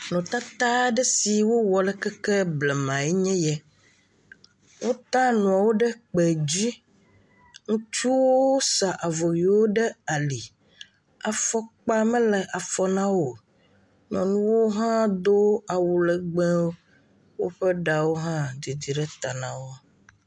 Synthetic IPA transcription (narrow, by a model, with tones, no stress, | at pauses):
nɔ̃˨t̪a˦t̪a˦ɖɛ˦si˨wo˦wɔ˨lɛ˦kɛ˦kɛ˦blɛ˨mã˨ɛ˦ɲɛ̃˦jɛ˦ | wʔo˦t̪a˦nɔ̃˨a˨wo˦ɖɛ˦k͡pɛ˨d͡ʑi˦ | ŋũ˦t͡ʃu˦wo˦sa˨ʔa˨vɔ˨wi˨wo˦ɖɛ˦a˨li˨ | a˨fɔ˦k͡pa˦mɛ̃˦lɛ˨ʔa˨fɔ˨nã˦wo˨ | nɔ̰̃˨nũ˦wo˦ɦã˦d̪o˦a˨wu˨lɛ˨ɡ͡bɛ̃˦wo˦ | wo˦ɸɛ˦ɖa˨wo˦ɦã˦d̪i˨d̪i˨ɖɛ˦t̪a˨nã˨wo˦